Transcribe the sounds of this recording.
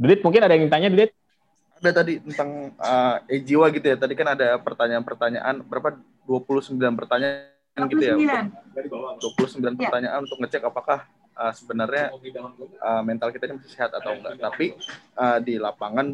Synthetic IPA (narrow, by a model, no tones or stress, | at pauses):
dudɪt̪̚muŋkɪnadajaŋit̪aɲadudɪt̪̚ | adat̪adit̪ənt̪aŋəed͡ʒiwaɡit̪ujat̪adikanadapərt̪aɲaːnpərt̪aɲa̰ʔanbəɾapa | duapulʊhsəmbilanpərt̪aɲa | nɡiujaul | duapulʊhsəmbilanpərt̪aɲaʔanunt̪ʊk̚ŋət͡ʃɛkapakah | əsəbənarɲa | əmɛnt̪alkit̪ainimasɪ̥hseɦat̪at̪awŋɡa̰ʔt̪apiəːdilapaŋan